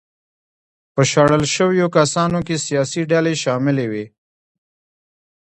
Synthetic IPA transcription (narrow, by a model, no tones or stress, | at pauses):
pəʃaɽəlʃəwjokasɑnokesijɑsiɖaleʃɑmɪlewe